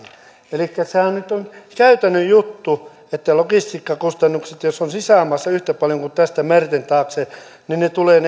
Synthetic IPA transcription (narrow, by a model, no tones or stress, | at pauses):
elikːæsehænnyt̪oŋkæyt̪ænːyjjut̪ːu | et̪ːælokist̪iːkːɑkust̪ɑnːukset̪josonsisæˑmɑsːɑyht̪æpɑljoŋkut̪æst̪æmært̪ent̪ɑːkse | ninnet̪uleːn